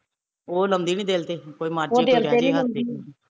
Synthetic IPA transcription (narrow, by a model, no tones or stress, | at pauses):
oːləmd̪iːnĩːd̪eːlt̪eːkoːiːmaːɾoːd̪eːlat̪eːniːləmd̪iːni